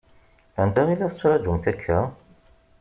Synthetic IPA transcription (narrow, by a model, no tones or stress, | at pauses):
ænd̪æilːæθə̥t͡sːɾˤɑd͡ʒumθækʰːæ